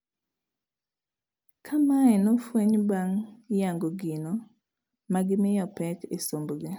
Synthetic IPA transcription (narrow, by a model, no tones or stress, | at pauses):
kʰamaɛnɔfweɲbaŋjaŋɡoɡinɔ | maɡɪmɪjɔpɛtesomboɡɪ